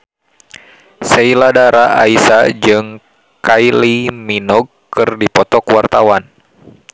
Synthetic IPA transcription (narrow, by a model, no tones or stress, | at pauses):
sɛiladaɾaa̰isad͡ʒɨŋ | kajliminɔɡ̚ | kɨrdipɔt̪ɔkwart̪awan